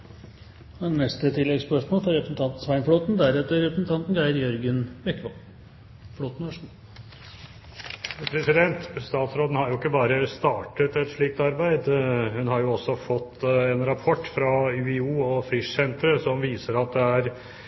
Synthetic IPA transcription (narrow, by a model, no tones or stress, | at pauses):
ɛnnɛst̪ət̪ʰɪlːɛɡspœʂmoːlfɔɾɛpɾsn̩t̪ʰɑnt̪n̩sʋæɪnfɽoːt̪nd̪æɾɛt̪ːəɾɛpɾəsn̩t̪ʰɑnt̪n̩ɡɑɪɾjœɾɡənbɛkːʋɔl | floːt̪n̩ʋœʂɳ̩ | pʰɾɛsɪd̪ɛnt̪st̪ɑːt̪sɾoːd̪n̩hɑɾjʊɪkːəbɑːɾəst̪ɑːʈət̪ɛt̪ʂɭiːk̚t̪ɑɾbæɪd̪hʉnhɑɾjʊɔsːɔfɔt̪ʰːɛnɾɑpʰɔʈːfɾɑʉːɪuːɔfɾɪʂsɛnt̪ɾəsɔmʋiːsəɾɑt̪̚d̪ɛæɾ